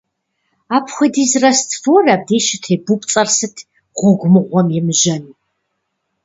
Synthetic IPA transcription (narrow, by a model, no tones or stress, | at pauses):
aːpʰxʷɔdiːzrɐstʰfoːraːb̚deːʃɪtʰeːbupʼt͡sʼɐrsɨtʰ | ʁʷʊɡʷmɨʁʷɔmjɛmɨʒɐnu